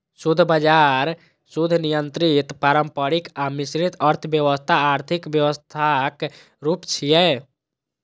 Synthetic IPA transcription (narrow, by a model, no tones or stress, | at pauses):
sud̪ʱbad͡ʒaɾ | sud̪ʱnijənt̪ɾit̪paɾəmpəɾikamisɾit̪əɾt̪ʰəbjəʋəst̪ʰaːɾt̪ʰikbjəwəst̪ʰak | ɾupt͡ʃʰijɛ